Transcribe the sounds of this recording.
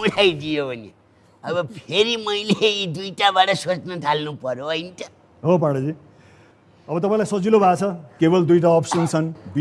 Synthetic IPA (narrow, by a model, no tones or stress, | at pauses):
uɽʰajd̪ijobʱʌnḛ | ʌbʌpʰeɾimʌjleid̪ujʈabaʈʌsot͡snʌt̪ʰalnupʌɾjoʌjnt̪ʌ | ɦopãɽʌd͡zi | ʌbʌt̪ʌpãĩlajsʌd͡zilobʱat͡sʰʌkebʌld̪ujʈ̬aʌpsʌnt͡sʰʌnbi